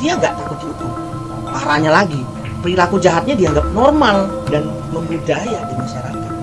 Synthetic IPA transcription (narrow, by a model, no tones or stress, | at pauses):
diaŋɡaʔt̪akʊt̪̚diut̪ʊŋ | paɾaɲalaɡi | pəɾilakud͡ʒaɦat̪̚ɲadiaŋɡap̚nɔrmal | dan | məmbudajadimaʃaɾakat̪̚